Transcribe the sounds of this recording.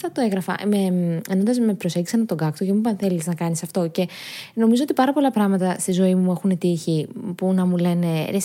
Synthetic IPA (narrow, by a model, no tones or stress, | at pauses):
ɐt̪oe̞ɣɾɐfɐ̰meeno̞nd̪ɐzmepɾo̞se̞ɲɟisɐnɐt̪o̞ɡɐkt̪ocemupɐnθe̞liznɐkɐnisɐft̪o̞ce̞no̞mizoot̪ipɐɾɐpo̞lɐpɾɐɣmɐt̪ɐst̪izo̞imue̞xunet̪içipunɐmule̞ne̞ɾe